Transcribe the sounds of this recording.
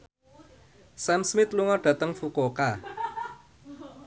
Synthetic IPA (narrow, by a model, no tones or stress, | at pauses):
sansmɪt̪luŋɔrɖ̥a̤t̪əŋfukoka